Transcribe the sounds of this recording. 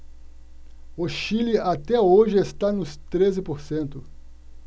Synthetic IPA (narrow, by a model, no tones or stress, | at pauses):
oʃiliat̪ɛoʒɪest̪anʊst̪ɾezɪpoɾsẽnt̪ʊ